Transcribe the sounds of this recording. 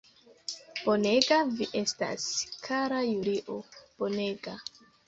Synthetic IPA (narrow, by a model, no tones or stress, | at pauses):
b̥one̞ɡaviʔe̞sta̰skʰaɾajuɾiʔob̥o̞ne̞ɡa